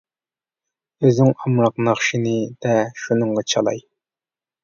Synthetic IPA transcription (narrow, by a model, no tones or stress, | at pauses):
øznɪŋɑmɾɑqnɑχʃinɨd̪̥ɛʃunɨɴʁɑt͡ʃʰɑlˠɑ̰j